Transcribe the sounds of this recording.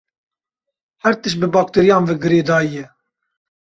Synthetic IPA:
hɛɾt̪ɨʃ̬bɨbɑːk̚t̪eːɾijɑ̃ːnvɛɡɨɾeːd̪ɑːjɛ

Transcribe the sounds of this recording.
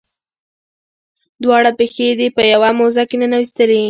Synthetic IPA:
d̪wɑɽapexed̪epəjawamozakenənawist̪əle

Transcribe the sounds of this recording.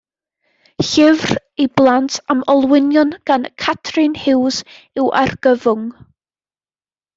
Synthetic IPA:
ɬɪvr | iblˠantʰamɔlˠwɪnjɔnɡ̥ankʰatʰrɨnhɪws | ɪwʔa̰rɡ̥əvʊŋ

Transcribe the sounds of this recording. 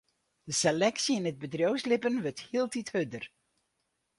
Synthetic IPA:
d̥əsɛlɛksiɪnəd̚bədrowslɪpənʋøɹthiəlˠtithødər

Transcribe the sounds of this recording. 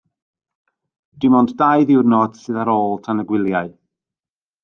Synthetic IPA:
d̥ɪmɔnddaɨðɪwrnɔd̥sɨðaɾoːlˠtʰanəɡwɪlˠjaɨ

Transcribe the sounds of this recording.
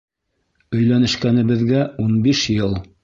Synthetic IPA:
ɵ̆jlænɘ̆ʃkænɘ̆βɘ̆ðɡæunbiʃjɤlˠ

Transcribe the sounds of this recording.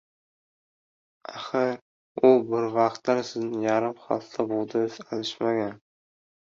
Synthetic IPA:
aχɨɾ | ʊbɪɾvɑqt̪laɾsɪznɪjaɾɪmχɑ̰lt̪t̪ʰabolˠd̪ɪɪzalɪʃmaɡʲan

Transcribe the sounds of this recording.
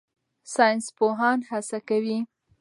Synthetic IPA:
sɑjnspoɦɑnhasakawi

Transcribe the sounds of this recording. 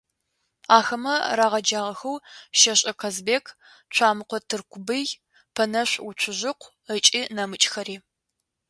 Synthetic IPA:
aːxɐmɐraːʁɐd͡ʒaːʁɐxɐwʃɐɕʼɐqʰɐzbeːkʰ | t͡ʃʷʰaːmɨqʷɔtʰɨrkʷʰʊbɨj | pʰɐnɐɕʷʊt͡ʃʷʰʊʑɪqʷ | ət͡ʃʼiːnɐmɨt͡ʃʼxɐɾiː

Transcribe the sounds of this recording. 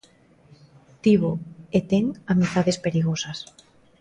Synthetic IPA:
t̪iβoet̪eŋamit̪aðespeɾiɣ̞osas

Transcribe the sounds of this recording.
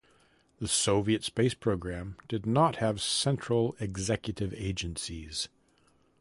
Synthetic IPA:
ðɨsoʊviɨtspeɪspʰɹ̥oʊɡɹæ̃md̥ɨdⁿnət̚hɨv̥sɛ̃nt͡ʃɹ̥l̩ˠɨɡzɛkjɨɾɨveɪd͡ʒɨ̃nsiz̥

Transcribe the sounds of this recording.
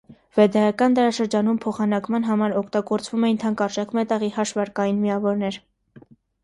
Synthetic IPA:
vɛd̪ɑjɑkɑnd̪ɑɾɑʃəɾd͡ʒɑnumpʰɔχɑnɑkmɑnɦɑmɑɾɔkʰt̪ɑɡɔɾt͡svumɛjint̪ʰɑŋkɑrʒɛkmɛt̪ɑʁihɑʃvɑɾkɑjinmiɑvɔɾnɛɾ

